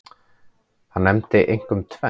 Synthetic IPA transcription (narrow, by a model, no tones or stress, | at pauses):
hanːɛmt̪ɪʔejŋ̥kʏmt̪ʰvɛ